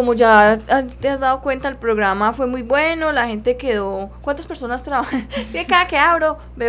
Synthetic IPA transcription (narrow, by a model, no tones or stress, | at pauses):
komod͡ʒat̪eazd̪aðo̞kwe̞nt̪aelpɾo̞ɣɾamafwe̞mujbwe̞no̞lahe̞nt̪e̞ke̞ðokwant̪aspe̞ɾso̞nast̪ɾaβabeekaðakeaβɾo | be